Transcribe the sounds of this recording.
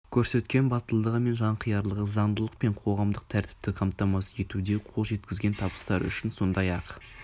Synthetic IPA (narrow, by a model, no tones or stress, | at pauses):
kʲʰɵɾse̞t̪kʲe̞nbɑt̪əlˠd̪əʁəme̞nʒɑɴqʰəjɑɾlˠəʁəzɑɴd̪əlˠəqpe̞ɴqʰo̞ʁɑmd̪əq̚t̪ʰæɾt̪ɪ̥p̚t̪ɪqʰɑmt̪ɑmɑsəe̞t̪ud̪e̞qʰo̞lˠʒe̞t̪kʲɪzɡʲe̞nt̪ʰɑbə̥st̪ɑɾʏ̰ʃɪnso̞nd̪ɑjɑq